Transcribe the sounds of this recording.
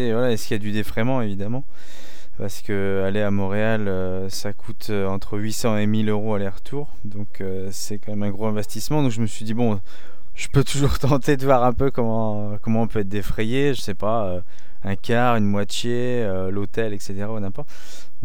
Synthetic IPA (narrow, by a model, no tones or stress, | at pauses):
evwalaɛskiljad̪yd̪efχɛmɑ̃evid̪amɑ̃ | paʁsə̥kə | aleamɔ̃ʁealø | sakʰut̪ʰøɑ̃t̪χəɥisɑ̃emiløʁoalɛʁt̪ʰuʁ | d̪ɔ̃kʰø | sɛkɑ̃mɛmɛ̃ɡʁoɛ̃vɛst̪ismɑ̃d̪ɔ̃kʒəməsɥid̪ibɔ̃ | ʒ̥əpøt̪ʰuʒuʁt̪ɑ̃t̪ed̪əvwaʁɛ̃pøkɔmɑ̃ | kɔmɑ̃ɔ̃pøɛt̪̚d̪efχɛjeʒəsɛpa | ø | ɛ̃kʲaʁynmwat̪ʰje | ø | lot̪ɛlɛkset̪eʁanɛ̃pɔt̪ | ɔ̃